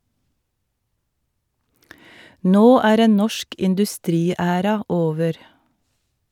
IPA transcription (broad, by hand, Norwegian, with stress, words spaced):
ˈnoː ˈæːɾ ˈeːn ˈnɔʃk ɪndʉˈstɾiːˌæːɾɑ ˈoːʋəɾ